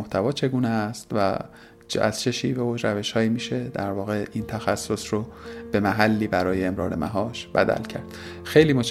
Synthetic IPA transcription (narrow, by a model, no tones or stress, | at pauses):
oht̪ʰævɒːt͡ʃʰe̞ɡuːnest̪væ̰ | t͡ʃæ̰z̥t͡ʃʰe̞ʃḭːveoʃɾæve̞ʃhɒːiːmiːʃe̞d̪æ̰ɾvɒːɣe̞ʔiːnt̪ʰæxæsːo̞sɾob̥e̞mæɦælːiːbæɾɒːjeemɾɒ̰ːɾḛmʔæ̰ɦɒːʃbæ̰d̪æ̰lcʰæ̰ɾd̪̥xe̞jliːmot͡ʃ